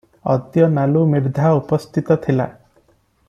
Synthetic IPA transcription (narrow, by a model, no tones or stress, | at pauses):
ɔ̰d̪jɔnalumiɾd̪ʱaupɔst̪ʰit̪ɔt̪ʰila̰